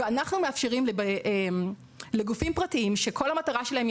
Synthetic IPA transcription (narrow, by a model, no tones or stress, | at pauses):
anaχnumeafʃeʁimlebeʔem | leɡufimpʁatiimʃe̞kʰo̞lhamataʁaʃelahem